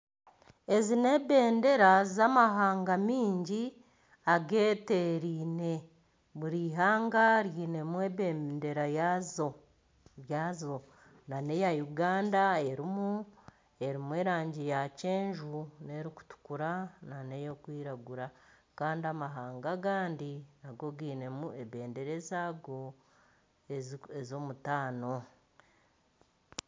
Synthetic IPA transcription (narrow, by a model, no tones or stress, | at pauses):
e̞zine̞be̞ːnde̞ɾazamaɦaːŋɡamiːɲɟi | aɡe̞ːte̞ɾiːne̞ | βuɾiːɦaːŋɡaɾjiːne̞mweːβeːnde̞ɾajazo | βjaːzo̞ | nane̞jajuɡaːndae̞ɾimu | e̞ɾimwe̞ːɾaːɲɟijace̞ːɲʒune̞ɾiku̥tu̥kuɾanane̞jokwiːɾaɡuɾakaːndiamaɦaːŋɡaɡaːndinaɡo̞ɡiːne̞mue̞βe̞ːnde̞ɾe̞zaɡo̞ | ezo̞mutaːno̞